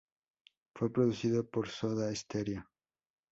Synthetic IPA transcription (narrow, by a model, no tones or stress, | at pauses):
fwepɾoðuθiðopoɾsoðaest̪eɾja